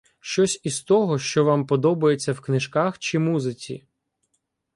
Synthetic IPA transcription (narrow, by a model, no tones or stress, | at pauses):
ʃt͡ʃɔsʲist̪ɔɦɔʃt͡ʃɔʋɑmpɔd̪ɔbɐjet͡sʲːɐwknɪʒkaxt͡ʃɪmuzɪt͡sʲḭ